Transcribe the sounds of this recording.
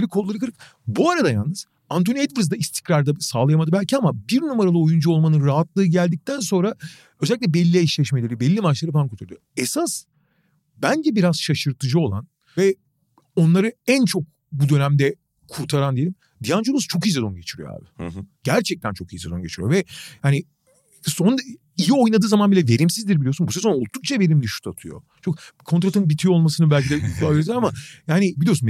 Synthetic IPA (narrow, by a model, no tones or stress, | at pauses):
eɾʲikʰolˠːaɾɯkʰɯɾɯk̚ | buaɾad̪ajalˠnɯz̥ | ant̪ʰoniɛd̪viɾzd̪aist̪ʰi̥cɾaɾd̪asaːlˠajamad̪ɯbælʲcʰiamabiɾnumaɾalˠɯo̞jund͡ʒuo̞lˠmanɯnɾaɦat̪lˠɯːɟælʲd̪ic̚t̪ʰænso̞nɾa | ø̞zɛlʲːic̬ʲːɛbɛlʲːieiʃlʲɛʃmelʲe̞ɾibɛlʲːimat͡ʃlˠaɾɯfamkuɾt̪ʰaɾld̪ijoesas | bænd͡ʒɛbiɾaz̥ʃaʃɯɾt̪ʰɯd͡ʒɯo̞lˠa̰n | vɛ | o̞nlˠaɾɯænt͡ʃʰo̞k̚ | bud̪ø̞næmd̪ɛ | kʰuɾt̪ʰaɾand̪ijelʲim | d̪ijand͡ʒolˠust͡ʃʰo̞kized̪o̞nɟe̞t͡ʃʰiɾḭjo̰a̰ːbɪɟ̥æɾt͡ʃʰɛc̚t̪ʰænt͡ʃʰo̞kized̪o̞nɟet͡ʃʰiɾḭjovɛjaːni | son | ijio̞jnad̪ɯːzamanbilʲɛve̞ɾimsizd̪iɾbilʲiosunbusezonolˠt̪uk̚t͡ʃʰave̞ɾimd̪iʃu̥t̪ʰat̪ʰɯjo̰t͡ʃʰokkʰo̞nt̪ɾat̪ʰɯnbit̪ʰijolˠmasɯnɯbælʲcid̪ɛaveɾd̪aamajaːnibilijo̞sun